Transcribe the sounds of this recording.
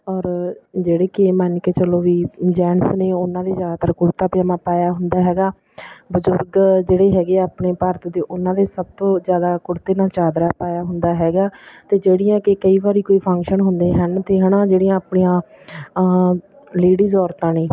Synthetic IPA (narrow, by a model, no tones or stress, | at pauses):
ɔːɾd͡ʒeːɽeːkemənkeːt͡ʃəloːʋiːd͡ʒɛːnəsneːʊnãːd̪eːzjaːd̪aːt̪əɾkʊɽt̪aːpjaːmãːpaːjaːɦʊnd̪aːɦɛːɡaː | bəzʊɾɡd͡ʒeːɽeːɦɛːɡeːaːpɳeːpəɾt̪d̪eːʔʊnãːd̪eːsəb̚t̪õːzjaːd̪aːkʊɽt̪eːnãːt͡ʃaːd̪ɾaːpaːjaːɦʊnd̪aːɦɛːɡaːt̪eːd͡ʒeːɽijãːkɪkəiːbaːɾiːkoːiːpʰə̃ŋkʃənɦʊnd̪eːɦənt̪eːɦɛːnãːd͡ʒeːɽiːãːapɳiːãː | leːɽiːzɔːɾt̪ãːneː